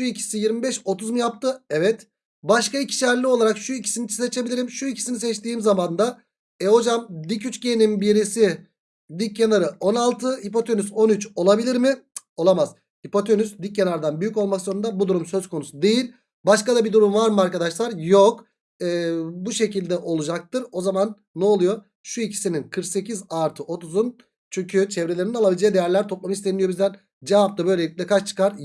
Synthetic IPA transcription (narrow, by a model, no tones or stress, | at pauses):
ʃuicʰi̥sijiɾmibɛʃo̞t̪ʰuzmujap̚t̪ʰɯɛvɛt̪ | baʃkaicʰi̥ʃæɾlʲiolˠaɾakʃuicʰi̥sinit͡ʃʰset͡ʃʰe̞bilʲiɾimʃuicʰi̥sinisɛt͡ʃt̪iːmzamand̪a | ɛɦo̞d͡ʒamd̪icyt͡ʃceninbiɾisi | d̪ic̚ʰːenaɾɯʔo̞nalˠt̪ʰɯipo̞t̪ʰø̞nyzo̞nyt͡ʃo̞lˠabilʲiɾmɪo̞lˠamaz̥ | ipo̞t̪ʰønysd̪ic̚ːenaɾd̪anbyjyco̞lˠmakzo̞ɾund̪abud̪uɾumsø̞zkʰo̞nusud̪e̞jilʲ | baʃkad̪abid̪uɾumvaɾmɯaɾkad̪aʃlˠaɾjok | ɛːbuʃe̞cilʲd̪ɛʔo̞lˠud͡ʒak̚t̪ɯɾo̞zamanːɛolˠujo̞ | ʃuicʰi̥sininkʰɯɾkse̞cizaɾt̪ʰɯʔo̞t̪ʰuzun | t͡ʃʰyɲcʰyt͡ʃʰɛvɾelʲeɾinnalˠabilʲd͡ʒejid̪ejæɾlʲæɾt̪ʰo̞plˠamɯist̪ʰenijoizd̪æn | d͡ʒevap̚t̪abø̞jleiclʲɛkʰat͡ʃt͡ʃʰɯ̥kaɾ